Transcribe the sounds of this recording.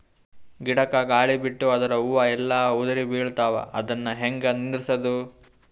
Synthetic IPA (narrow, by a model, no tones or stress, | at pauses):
ɡiɽɐkɐɡaːɭibiʈːuɐd̪ɐɾɐuʋɐɛlːɐud̪ɐɾibiːɭt̪aːʋɐ̰ʔɐd̪ɐnːɐɦeŋɡɐnind̪ɾisɐd̪u